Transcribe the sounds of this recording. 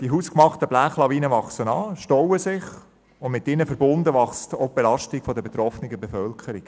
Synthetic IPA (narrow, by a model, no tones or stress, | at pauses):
d̥iɦuskmɑχtəb̥læːχlɑviːnəʋɑχsənɑːʃtɔwəsɪχ | ʊnmɪt̪ːɪnəfəɾbʊnd̪əʋɑχstob̥elɑʃtɪkfɔdəbetɾɔfnɪɡəbefœlkʰəɾik